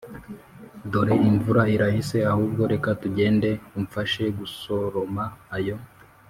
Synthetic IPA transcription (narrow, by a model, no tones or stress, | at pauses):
do̞ɾe̞iɱvuɾaiɾahise̞ahuːbɡo̞ɾe̞katuɟe̞ːnde̞umfaʃe̞ɡuso̞ɾomaːjo̞